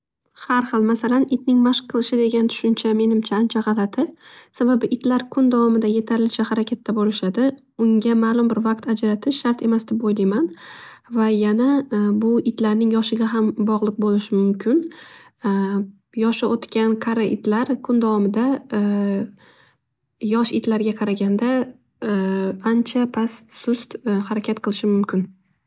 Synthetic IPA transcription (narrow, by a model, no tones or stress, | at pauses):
haɾhɨlˠmasalanɪt̪̚nɪŋmaʃqʰːɨlˠɪʃɪd̪e̞ɡʲant̪ʰʊ̥ʃʊnt͡ʃʰame̞nɪmt͡ʃʰaːnt͡ʃʰaʁɑlˠat̪ʰɪsababɪʔɪt̪ʰlaɾkʰʊnd̪avɒmɪd̪aje̞t̪ʰaɾɪlɪʃahaɾakʲʰat̪ʰːabolɪʃad̪ɪ | ʊŋɡʲamaːlˠʊmbɪɾvaqt̪ʰad͡ʒɾat̪ʰɪʃʃːaɾt̪e̞masd̪ɪbojlajmanvajanabʊɪt̪laɾnɪŋjɒʃɪɡʲaɦambɒʁlˠɨq̚bolɪʃɪmʊmkʲʰɪn | jɒʃɪʔot̪kʲanqʰɑɾaʔɪt̪ʰlaɾkʰʊnd̪avɒmɪd̪a | jɒʃɪt̪ʰlaɾɡʲaqʰɑɾaɡʲand̪a | ant͡ʃʰapʰassʊst̪haɾakʲʰat̪̚qʰɨlˠɪʃɪmʊmkʲɪn